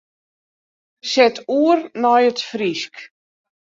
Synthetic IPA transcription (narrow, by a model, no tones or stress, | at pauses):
sɛtuərnɔjətfrisk